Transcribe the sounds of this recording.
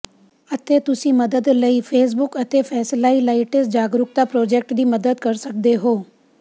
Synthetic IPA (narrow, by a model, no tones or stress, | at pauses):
ət̪et̪ʊsimɐd̪əd̪ləifʰeːs̬bʊkət̪efʰɛːslailaiʈes̬d͡ʒaːɡɾʊkt̪apɾoːd͡ʒeːk̚ʈd̪ʱiːməd̪əd̪kɐɾsɐk̚d̪eɦoː